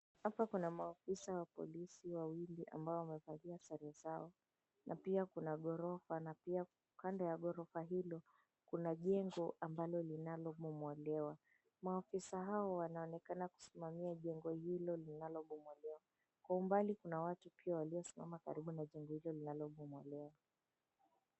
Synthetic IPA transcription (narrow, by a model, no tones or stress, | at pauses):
hapakunamaːfisawapɔ̰lisiwawiliʔa̰mbaɔwamɛvaliasɛɾɛzaɔ | nʔapiakunaɠɔɾɔfanapia | kandɔjaɠɔɾɔfaɦilɔ | kunaʄɛŋɡɔʔambalɔlinalɔmɔmwɛlɛwa | maːfisaɦaɔwanaɔnɛkanaku̥simamiaʄɛŋɡɔhilɔlinalɔɓɔmwɛlɛwa | kwaumbalikunawatupiawaliɔsimamaka̰ɾiɓunaʄɛŋɡɔhilɔlinalɔmɔmwɛlɛwa